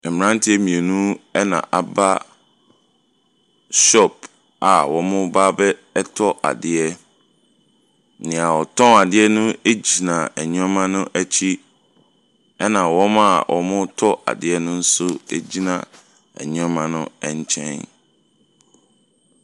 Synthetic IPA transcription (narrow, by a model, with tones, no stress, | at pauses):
ɛ˨m̃˨ɾã˦n˦tʰɪ˦ɛ˦mĩ˨e˨nũ˦ɛ˦nã̰˨ʔa˨ba˦ | ɕɔ˦˨p̚ | a˨wɔ˨mʊ̃˦baː˦bɛ˦tʰɔ˦ʔa̰˨dɪ˨ɛ˦ | nɪ̃˨a˨wɔ˨tʰɔ̃˦a˨dɪ˦ɛ˦nʊ̃˦e˦d͡ʑi˨nã˨ɛ˨ɲũ˦ɔ˦mã˦nʊ̃˦ʔæ˦t͡ɕʰi˦ | ɛ˦nã˨wɔ̃˦ma˦˨wʔɔ˨mʊ̃˦tʰɔ˦ʔa̰˨dɪ˨ɛ˦nʊ̃˦n̩˦sʊ˦ḛ˦d͡ʑi˦nã̰˨ | ɛ̰˨ɲʊ̃˦ɔ˦mã˦nʊ̃˦ɛ˦˨ɲ˦t͡ɕʰɛ̰̃˦n